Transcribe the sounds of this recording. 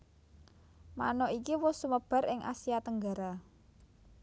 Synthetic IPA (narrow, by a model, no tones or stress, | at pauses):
ma̰nɔʔikiwʊsuməb̥a̤ɾɪŋʔa̰siat̪əŋɡa̤ɾa